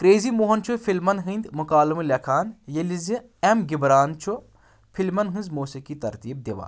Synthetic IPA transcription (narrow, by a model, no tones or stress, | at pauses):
kɾeːzimoːɦɐnt͡ʃʰufʰilmɐnɦɨːnd̪ʲmʊkaːlmɨlʲɐkʰaːnjelizi | emɡibɾaːnt͡ʃʰu | pʰilmɐnɦɨ̃nzmoːsekit̪ɐɾt̪iːb̚d̪eʋa̰ːn